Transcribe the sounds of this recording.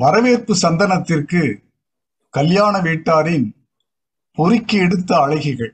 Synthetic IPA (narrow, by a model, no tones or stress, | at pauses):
ʋɐɾɐʋeːrpɯsɐnd̪ɐnɐt̪ːɪrkɯ | kɐljaːnɐʋiːʈːaːɾɪn | pɔɾɪkːiɛɽɯt̪ːɐːɻɐɪɣɪɣɐɭ